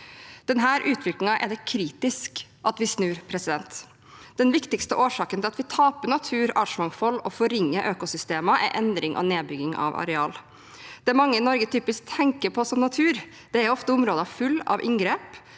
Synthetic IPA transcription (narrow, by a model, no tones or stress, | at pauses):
d̪̥ɛnɦæːɾʔʉːt̪ʰʋɪklɪŋɑʔɛ̰d̪ɛkʰɾiːt̪ɪskʔɑt̪ʋɪsnʉːɾpʰɾɛsɪd̪ɛnt̪ | d̪̥ɛnʋɪkt̪ɪkst̪əʔoːʂɑːkənɪlɑt̪ʋɪt̪ʰɑːpəɳɑt̪ʰʉːɾɑːʈʂmɑŋfɔlːɔfɔɾɪŋːəʔøːkʊsʏst̪eːməʔæ̰ɾʔɛnd̪ɾɪŋʔɔ̰neːbʏɡɪŋɑ̰ʋɑ̰ɾɛɑːl | d̪̥ɛæɾmɑŋːəɪnɔɾɡət̪ʰyːpɪsk̚t̪ʰɛŋkəpʰɔsɔmnɑt̪ʰʉːɾ | d̪̥ɛæɾɔft̪əʊmɾoːd̪əɑfʉlːɑ̰ʋʔɪ̰ŋɡɾeːp